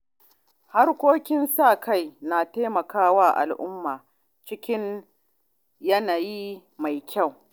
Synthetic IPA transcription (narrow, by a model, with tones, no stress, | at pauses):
ha˦rkʷoː˦kʲɪ˦nsaː˦˨kʰa˦˨jnaː˨teː˦mɐ˨kaː˦waː˦ʔa̰˨lʔʊ˦mːaː˨ | t͡ʃɪ˦kʲɪ˦n | jɐ˦naː˨ji˦ | ma˨jkʲa˦˨w